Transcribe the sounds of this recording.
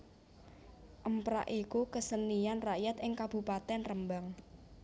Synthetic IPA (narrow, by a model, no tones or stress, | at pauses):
ʔəmpɾa̰ʔikukəsənijanraʔjat̪ɪŋkab̥ṳpat̪ɛnrəmbaŋ